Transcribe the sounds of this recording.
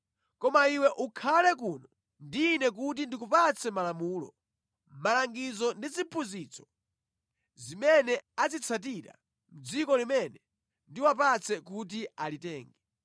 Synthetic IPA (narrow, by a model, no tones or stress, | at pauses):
kɔmaiwɛʔukʰalɛk̬uːnɔ | ndiːnɛk̬ut̬indikupat͡sʰɛmalamuːlɔ̰ | malaŋɡizɔndit͡sipʰuziːt͡sʰɔ̥ | zimɛnɛad͡zit͡sʰat̬iɾa̰ | m̩d͡zikɔlimɛnɛ | ndiwap̬at͡sʰɛkut̬ialitɛːŋɡɛ